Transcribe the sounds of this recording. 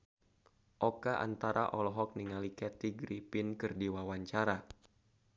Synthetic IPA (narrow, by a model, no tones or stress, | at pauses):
ʔɔkaʔa̰nt̪aɾaʔɔlɔɦɔk̚niŋalikɛt̪iɡɾipinkɨrdiwawaɲt͡ʃaɾa